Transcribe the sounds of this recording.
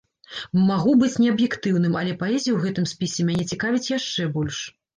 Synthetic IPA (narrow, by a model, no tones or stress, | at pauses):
maɣubɨt͡sʲnʲɛɐbjɛkt̪ɨwnɨmɐlʲɛpaɛzʲijuwɣɛt̪ɨmsʲpʲisʲɛmʲanʲɛt͡sʲikavʲit͡sʲjaʂt͡ʂɛbɔlʲʂ